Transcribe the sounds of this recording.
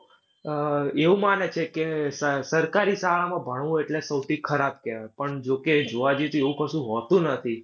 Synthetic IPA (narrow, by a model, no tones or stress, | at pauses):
eʋũmanet͡ʃʰekesəsəɾkaɾisaɭamãbʱəɳ̃ʋũeʈlesəwt̪ʰikʰəɾab̚kɛʋapəɳd͡ʒoked͡ʒoʋad͡ʒet̪ueʋũkəʃũɦɔt̪ũnət̪ʰi